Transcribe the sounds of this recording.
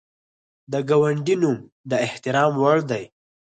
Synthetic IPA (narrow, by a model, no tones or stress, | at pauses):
d̪əɡawaɳɖinum | d̪əɪht̪ɪɾɑmwaɽd̪aj